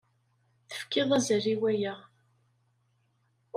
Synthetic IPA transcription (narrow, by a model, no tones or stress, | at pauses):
θə̥fkɪðˤæzəɾiwæjæ